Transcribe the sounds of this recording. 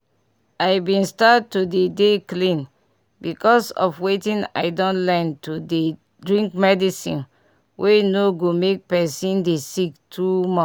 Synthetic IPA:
ajbĩnstatːudedeklĩn | bikɔsɔ̰fwetĩna̰ɪdɔ̃ntlɛntʰude | dɹĩŋkmɛdisḭ̃n | wʔenoɡomek̚pɛsĩndesiktʰumɔ̃

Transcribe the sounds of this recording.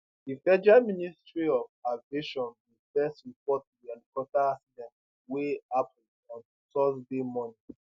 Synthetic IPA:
difɛd͡ʒamĩnistɹiɔvaɡeʃɔ̃nwifɛstɹipɔtːudialikɔtaasidɛ̃nt | weapʰn | ɔ̃n | tɔsdemɔ̃ni

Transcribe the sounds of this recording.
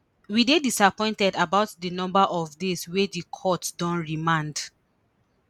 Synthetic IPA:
widedisapɔ̃ɪ̃ntɛdabaʊtdinɔ̃mbaʔɔvdeswedikʰɔtdɔ̃nɹimãnd

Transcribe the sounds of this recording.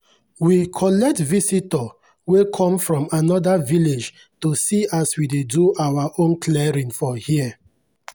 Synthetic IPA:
wikʰɔlɛk̚tvisitɔ | wekʰɔ̃mfɹɔ̃manɔdaviled͡ʒ | tosiaswideduawaʔõnkʰlɛɹĩnfɔhiə

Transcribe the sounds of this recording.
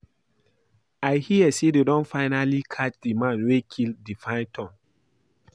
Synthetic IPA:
aɪhiəsededɔ̃nfaɪnalikʰat͡ʃdimãnwekʰildifãɪ̃ntʰɔ̃ŋ

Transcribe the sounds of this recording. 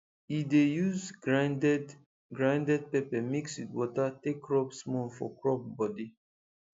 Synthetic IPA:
idejuzɹandɛd | ɡɹãndɛd̚pɛpɛmikswitwɔtatekːɹɔpsmɔ̃fɔ̰kɹɔp̚bɔdi

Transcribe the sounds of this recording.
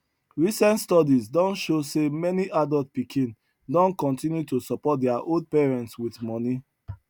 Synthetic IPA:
ɹisɛ̃ntstɔdizdɔ̃nʃosemɛniʔadɔlt̚pikĩn | dɔ̃nkɔ̃ntĩnjutusɔpɔt̚dɛaʔold̚pɛɹɛ̃ntswiθmɔni

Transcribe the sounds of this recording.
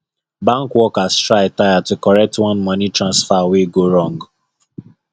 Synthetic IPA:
bãŋkwɔkastɹaɪtajatukɔɹɛk̚twɔ̃nmɔnitɹãnsfaweɡoɹɔ̃ŋɡ

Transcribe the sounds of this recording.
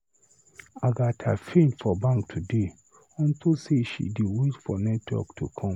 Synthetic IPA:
aɡatʰa̰fẽntfɔbãŋktʰude | ɔ̃ntʰuseʃḭdeweʃfɔnɛtwɔ̰ktʰukʰɔ̃m

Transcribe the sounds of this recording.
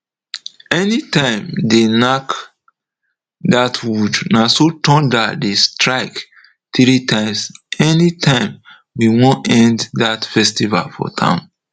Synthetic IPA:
ɛnitãɪ̃mdenak | datʰwudnasotɔ̃ndatdestɹaɪk | tɹitʰãɪ̃msɛnitʰãɪ̃m | wiwɔ̃nɛ̃nddatfɛstiva̰lfɔ̰tʰã̰ʊ̃n

